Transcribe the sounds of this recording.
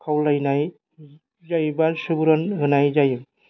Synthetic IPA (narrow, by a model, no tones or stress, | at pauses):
kʰawlajnaj | zajbasubuɾɔnɦɯnajzajɯm